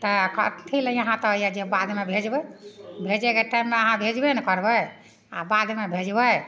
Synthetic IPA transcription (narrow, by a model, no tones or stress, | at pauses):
t̪ɔkə̰t̪t̪ʰiləiəɦãt̪ɔɦjad͡ʒebad̪mebʱed͡ʒbɛbʱed͡ʒɛkeʈaimːeəɦãbʱed͡ʒbenɛkəɾbə | a̰bad̪mebʱed͡ʒbəj